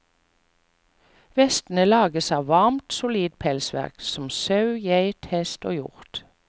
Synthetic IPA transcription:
ʋɛst̪n̩əlɑːɡəsɑːʋʋɑʁmt̪sʊliːd̪̚pʰɛlsʋæ̰ʁksɔm̩sɑʉjæɪt̪hɛst̪oːjʊ̰ʁt̪

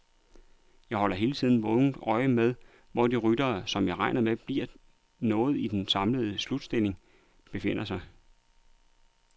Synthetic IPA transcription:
jɑ̈ɪhɒ̽l̰ɐɦe̝ːlət͡sʰið̞̰ˠn̩ʋɔʊn̩d̥ɒ̽ɪəmeð̞ˠ | ʋɒd̥iʁyd̥ɐːsɒ̽mjɑ̈ʁɑ̈ɪnɐmeb̥liɐ̰ | nɔ̽ːð̞̩ˠid̥ensɑ̈mləðˠəslud̥sd̥e̝l̰e̝ŋ | b̥e̝fe̝n̰ɐsɑ̈ɪ

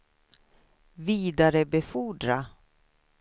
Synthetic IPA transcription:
viːd̪aɾəbɛfuɖɾa

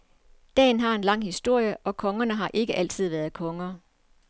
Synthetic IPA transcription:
d̥ɛ̰ːn̩ɦɑ̈e̝nlɑ̈ŋ̰hisd̥o̝ɐ̰jəʔɒ̽kʰɒ̽ŋɐnəɦɑ̈ʔe̝ɡ̥əʔæl̰t͡sʰið̞̰ˠʋæɐðˠkʰɒ̽ŋɐ

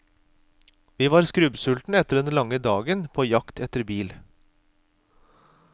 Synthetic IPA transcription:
ʋiːʋɑːɾskɾʉbsʉlt̪n̩ɛt̪əɖɛnlɑŋəd̪ɑːɡənpʰoːjɑkt̪ʰɛt̪əɾbiːl

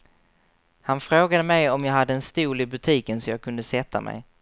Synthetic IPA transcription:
hanfɾoːɡad̪əmɛjɔmjɑːɡɦad̪ːəɛnst̪uːlɪbɵt̪ʰiːkənsɔmjɑːɡ̚kʰɵnd̪əsɛt̪ʰːa̰mʔɛ̰j

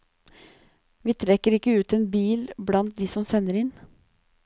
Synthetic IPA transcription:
ʋiːt̪ʰɾɛkəɾɪkːəʉːt̪ɛːnbiːlblɑnt̪̚d̪ɪsɔmsɛnːəɾɪn

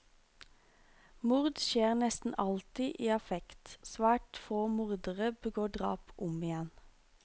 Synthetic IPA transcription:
mʊʁd̪ʃeːʁnɛst̪n̩ʔɑlt̪ɪʔiːɑfɛkt̪sʋæːʈfoːmʊʁd̪əʁəbəɡoːɖʁɑ̰ːpʔʊmɪjɛn

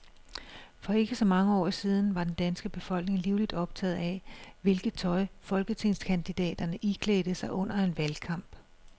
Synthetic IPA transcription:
fɒ̽e̝ɡ̥əsɒ̽mɑ̈ŋəɒ̰ːsiːð̞ˠn̩ʋɑ̈d̥end̥ænsɡ̥əb̥e̝fɒ̽l̰ɡ̥ne̝ŋliʊlid̥ɒ̽b̥t͡sʰɛ̰ːð̞̩ˠæʋe̝lɡ̥ð̩ˠt͡sʰɒ̽ɪfɒ̽lɡ̥ət͡sʰe̝nskʰænd̥id̥ɛ̰ːd̥ɐnəʔikʰleːd̥əsɑ̈ɪʔɔ̽n̰ɐe̝nʋælkʰɑ̈m̰b̥

